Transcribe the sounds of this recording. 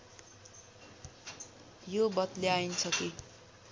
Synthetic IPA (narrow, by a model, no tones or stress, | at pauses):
jobʌt̪leaint͡sʰʌki